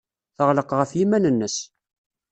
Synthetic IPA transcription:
θəʁləqʁəfjimænənːəs

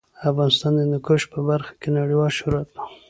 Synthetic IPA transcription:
afɣɑnɪst̪ɑnd̪ənʊkoʃpəbaɾxḁkenaɽiwɑlʃʊɾuat̪̚ḁ

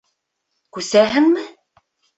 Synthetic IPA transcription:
kʉsæɦɘ̆ŋmɘ

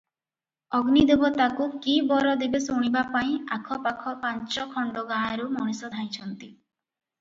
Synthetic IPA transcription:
ɔɡnid̪ebɔt̪akukibɔɾɔd̪ebesuɽ̃ibapaĩakʰɔpakʰɔpant͡ʃɔkʰɔɳɖɔɡãːãɾumɔɽ̃isɔd̪ʱaĩt͡ʃʰɔnt̪i

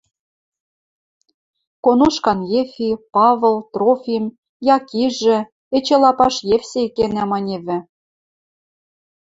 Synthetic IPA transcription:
konoʃkɑnjefʲipɑvɤlt̪rofʲim | jɑkiʒɘ̆ | et͡ɕĕlɑpɑʃjefsʲekenæmɑnʲeβɘ̆

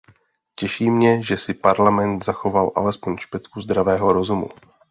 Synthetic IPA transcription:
cɛʃiːmɲɛʒɛsɪpaɾlamɛnt̪zaxo̞valʔa̰lɛspo̞ɲʃpɛt̪kuzd̪ɾavɛːɦo̞ɾo̞zumṵ

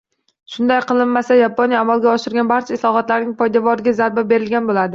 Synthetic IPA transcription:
ʃʊnd̪ajqɨlˠɪnmasajapʰonjaːmalˠɡʲaɒʃɪɾɡʲanbaɾt͡ʃʰaɪslˠɒχɒt̪laɾnɪŋpʰɒjd̪avɒɾɪɡʲazaɾbabe̞ɾɪlɡʲanbolad̪ɪ

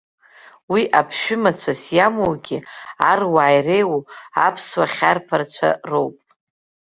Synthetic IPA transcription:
wiʔapʰʃᶣʏmat͡ɕʷʰasjamowɡʲɪarwaːjrejwoapʰswaχʲarpʰart͡ɕʷʰa̰rowpʼ

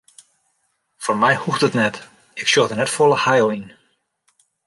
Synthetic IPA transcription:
fɔrmɛjhuxdətnɛt | ɪksjoxdənɛtfolˠəhajlˠin

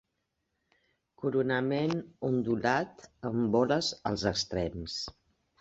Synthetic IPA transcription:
kuɾunəmenund̪ulat̪əmbɔləzə̰lˠzəkst̪ɾɛms

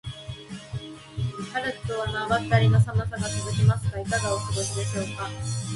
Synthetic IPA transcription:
haɾɯɕi̥t̪oβanaːβat̪ːaɾʲino̞samasaɡat͡sɨzɨkʲimasɨ̥ɡaikaɡaosoɡo̞ɕid̪e̞ɕo̞ːka

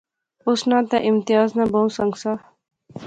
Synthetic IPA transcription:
ʊsnãːt̪ɛʔɪmt̪ɪjaːznabɐũsə̃ŋɡsaː

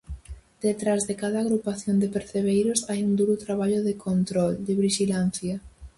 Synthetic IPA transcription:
d̪̥et̪ɾazðɪkaðɐːɣɾupaθjond̪ɪpeɾθeβejɾʊsajuŋd̪uɾʊt̪ɾaβ̞aʎʊðɪkʰont̪ɾɔld̪ɪβiʃilan̟θjɐ

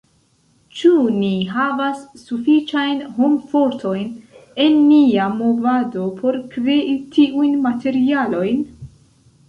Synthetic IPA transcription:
t͡ʃuniɦavasːufit͡ʃajnɦomfo̞ɾtʰo̞jne̞nːiamo̞vado̞pʰo̞ɾkɾeʔitʰiʔujnmate̞ɾialo̞jn

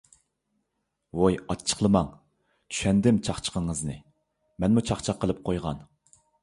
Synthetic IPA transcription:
wojɑt͡ʃʰːə̥χlˠəmɑŋ | t͡ʃʰy̥ʃɛnd̪ɪmt͡ʃʰɑχt͡ʃʰə̥qəŋəznɨ | mɛnmut͡ʃʰɑχt͡ʃʰɑqːəlˠɨp̚qʰojʁɑ̰n

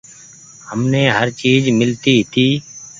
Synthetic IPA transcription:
həmneːɦəɾt͡ʃiːd͡ʒmɪlt̪iːɦɪt̪iː

